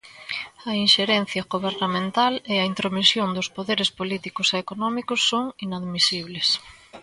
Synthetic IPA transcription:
ɐinʃeɾen̟θjɐɣoβeɾnamẽnt̪aleɐint̪ɾomisjoŋd̪ʊspoðeɾespolit̪ikʊseːkonɔmikʊsːoŋinaðmisiβles

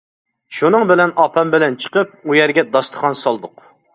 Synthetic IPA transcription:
ʃunɨŋbɪlɛnɑpʰɑmbɪlɛnt͡ʃʰə̥qəp̚ujɛɾɡʲɛd̪ɑst̪ʰə̥χɑnsɑlˠd̪ʊq

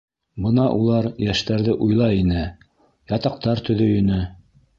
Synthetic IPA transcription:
bɤnɑʔulˠɑɾjæʃt̪æɾðɘʔujlˠɑinɘ | jɑt̪ɑq̚t̪ɑɾt̪ɵ̆ðɵjɵ̆nɘ

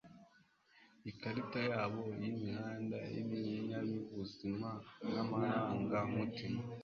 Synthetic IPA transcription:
ikaɾitajaːβo̞jimihaːndajḭβiiɲamiβuzimanamaɾaːŋɡamutima

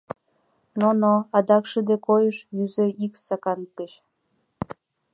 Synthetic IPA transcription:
nonoɑd̪ɑkʃəd̪ekojəʃjyzeiksɑkɑnkəɕ

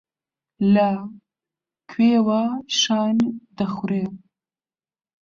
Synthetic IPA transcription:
la | kʰwewaʃɑnd̪əxuɾe

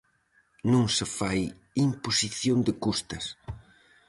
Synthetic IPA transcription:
nõŋsɪfaj | imposiθjond̪ɪkust̪ɐs

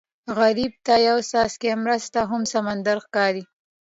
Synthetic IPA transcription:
ɣaɾib̚t̪ajawsɑskemɾəst̪aɦʊmsamand̪aɾxkɑɾi

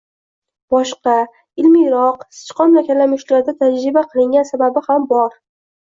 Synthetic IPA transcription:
b̥ɒʃqɑ | ɪlmɪjɾɒqsɪ̥t͡ʃqʰɒmlakʲalːamʊʃlaɾd̪at̪ʰad͡ʒɾɪbaqʰɨlˠɪŋɡʲansababɪhambɒɾ

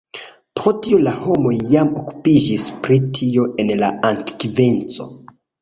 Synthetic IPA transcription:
po̞tiolaho̞mo̞jːamo̞ku̥pid͡ʒispɾitʰio̞ʔe̞nla̰antkve̞nt͡so̞̰

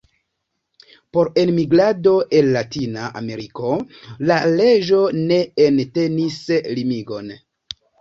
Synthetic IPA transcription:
po̞ɾe̞nmiɡɾado̞ʔe̞nːatinaʔa̰me̞ɾiko̞lale̞d͡ʒo̞ne̞ente̞nislimiɡo̞n

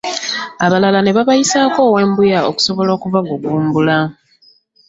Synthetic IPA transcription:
aβalalane̞βaβajisaːko̞ːwe̞ːmbujao̰ku̥so̞βo̞lo̞ːkuvaɡuɡuːmbula

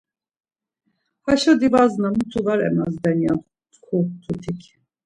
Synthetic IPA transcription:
haʃɔd̪ivaznamut̪ʰuvaɾɛ̰ma̰zd̪ɛnja | t̪kʰut̪ʰut̪ʰikʰ

